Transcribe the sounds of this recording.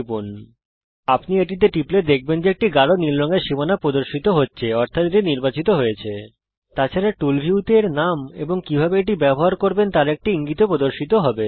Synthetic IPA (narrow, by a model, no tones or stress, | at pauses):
pun | apnieʈ̬it̪̬eʈipled̪ek̚ʰbend͡ʑeek̚ʈiɡaɽoniɾlɔŋeɾʃimanapɾod̪oɾʃit̪oɦotːɕʰeɔɾt̪ʰat̪ɾeiniɾbat͡ɕit̪oɦojet͡ɕʰe | t̪at͡ɕʰaɾaʈulbʱiwt̪eɾnamḛboŋkibʱabeeʈ̬ibɛboɦaɾkoɾbent̪aɾek̚ʈiiŋɡit̪opɾod̪oɾʃit̪oɦɔbe